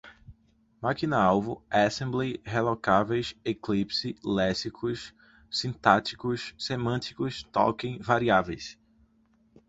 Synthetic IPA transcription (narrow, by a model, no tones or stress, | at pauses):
makinɐawvʊasẽmblehelɔkavejseklipsilɛsikʰʊs | sĩt̪at͡ʃi̥kʊssemɐ̃t̪i̥kʊst̪ɔ̰kẽj̃vaɾiavejs